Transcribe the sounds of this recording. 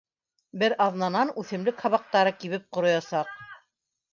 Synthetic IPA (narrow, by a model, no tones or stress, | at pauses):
bɘɾʔɑðnɑnɑnʉθɘ̆mlɘkhɑβɑq̚t̪ɑɾɤkiβɘp̚qŏɾŏjɑsɑq̚